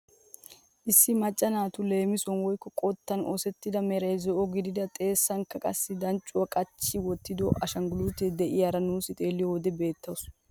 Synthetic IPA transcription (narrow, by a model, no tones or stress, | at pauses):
ʔɪsːɪmɐt͡ʃʼːɐnaːt̪ʊle̞ːmɪsɔnwɔjkːɔkʼɔt̪ːɐno̰sɛt̪ːɪd̪ɐmɛɾɐjzɔʔɔɡɪd̪ɪd̪ɐt̪ʼe̞ːsːɐŋkːɐkʼɐ̰sːɪd̪ɐnt͡ʃʼːʊwɐkʼɐt͡ʃːɪwɔt̪ːɪd̪ɔʔɐʃɐŋɡʊluːt̪ed̪ɛʔɪjaɾɐnuːsɪt̪ʼe̞ːlːɪjɔwɔd̪ɛbe̞ːt̪ːɐws